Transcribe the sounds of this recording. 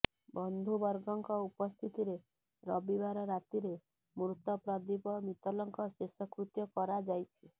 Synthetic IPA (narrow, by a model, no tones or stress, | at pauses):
bɔnd̪ʱubɔɾɡɔŋkɔupɔst̪ʰit̪iɾe | ɾɔbibaɾɔɾat̪iɾe | mɾut̪ɔpɾɔd̪ipɔmit̪ɔlɔŋkɔsesɔkɾut̪jɔkɔɾad͡ʒajt͡ʃʰi